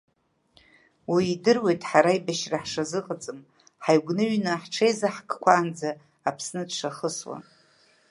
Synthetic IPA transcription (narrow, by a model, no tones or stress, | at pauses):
wiidɨrwe̞jtʼħaɾaibaʃraħʂazɨqʼət͡sʼɨm | ħajɡʷnɨɥnɨħʈ͡ʂʰejzaħkʰʼkʷʰaːnd͡zaː | pʰsnɨdʂaχəswa̰n